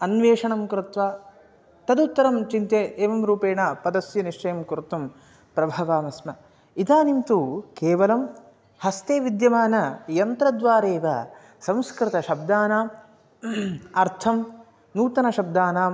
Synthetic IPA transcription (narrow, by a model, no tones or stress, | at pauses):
ɐnʋeːʂɐɳɐmkɾut̪ʋaː | t̪ɐd̪ut̪ːɐɾɐmt͡ʃint̪eeːʋɐmɾuːpeːɳaːpɐd̪ɐsjɐniʂt͡ʃɐjɐmkɾt̪ːum | pɾɐbʱɐʋaːmɐsmɐ | id̪aːnimt̪ukeːʋɐlɐm | hɐst̪eːʋid̪jɐmaːnɐjɐnt̪ɾɐd̪ʋaːɾeːʋɐ̰ | sɐ̃m̃skɾɪt̪ɐʃɐb̚d̪aːnaːm | ɐɾt̪ʰɐm | nuːt̪ɐnɐʃɐb̚d̪aːnaːm